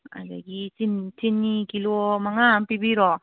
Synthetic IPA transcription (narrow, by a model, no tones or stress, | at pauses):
a̰la̰ɡitintʰinːikilomaŋampibiɾɔ